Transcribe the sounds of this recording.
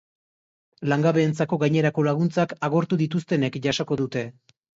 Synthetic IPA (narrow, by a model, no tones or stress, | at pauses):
laŋɡaβe̞ːnt͡sako̞ɣajɲe̞ɾako̞laɣ̞unt͡sakaɣo̞ɾt̪uðit̪ust̪e̞ne̞kʝaʃo̞ko̞ðut̪e̞